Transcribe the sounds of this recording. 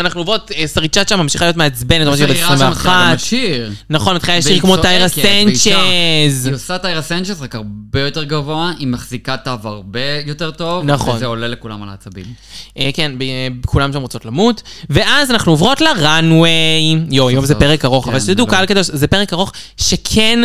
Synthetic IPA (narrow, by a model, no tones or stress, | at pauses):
anaχnuovʁo̞tesaʁit͡ʃaʃamːamʃiχalijot̪̬meaet͡sbenet̪maʃibeesʁimveaatʃiʁnaχo̞nmetχijajaʃiʁkmotajʁasent͡ʃeziosatajʁasent͡ʃelzʁakaʁbejo̞teʁɡavo̞aʔimaχzikat̪avaʁbejoteʁt̪o̞vnaχonzeolelekula̰mala̰ːt͡sabḭmʔekenbebkʰulamʃamʁot͡so̞tlamutve̞ʔazanaχnuovʁo̞tleʁanwejjojomzepeʁekaʁo̞χavalʃed̪ukalkad̪oʃzepeʁekaʁo̞χ | ʃekʰen